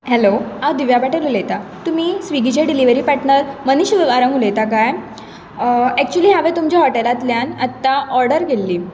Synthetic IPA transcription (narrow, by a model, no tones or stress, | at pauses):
hɛload̪iʋjabaʈelulejt̪at̪umiːsʋiɡit͡ɕeɖiliʋəɾiːpaʈnəɾməniɕʋeʋaɾəŋɡulejt̪ak̬aj | ɛk̚t͡ɕuəliːɦaʋet̪umt͡ɕjaɦɔʈelat̪ljanat̪ːaʔɔɾɖəɾɡʱelːiː